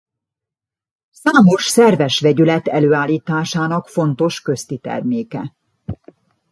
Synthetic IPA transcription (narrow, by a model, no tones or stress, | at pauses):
saːmo̞ʃsɛrvɛʃʋɛɟylɛt̪ɛløːaːlːiːt̪aːʃaːnɒkfo̞nt̪o̞ʃkø̞st̪it̪ɛ̰rmeːkɛ